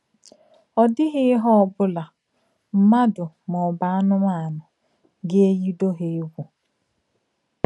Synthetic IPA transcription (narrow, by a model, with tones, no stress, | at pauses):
ɔ˨dɪ˦ɣɪ˦ɪ˦ɦɔ˦ɔ˨bʊ˦la˨ | m̩˨ma˦dʊ˨ | mɔ˨ba˨a˦nʊ˦ma˦a˨nʊ˨ | ɡɪ˦e˦ji˦do˦ɦe˨e˦ɡʷu˨